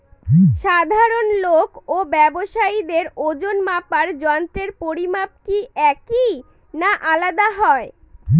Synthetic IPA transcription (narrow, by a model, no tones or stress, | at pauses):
ʃad̪ʱaɾonlokobɛboʃaid̪eɾod͡ʑonmapaɾd͡ʑɔnt̪ɾeɾpoɾimap̚kiʔɛki | naʔalad̪aɦɔe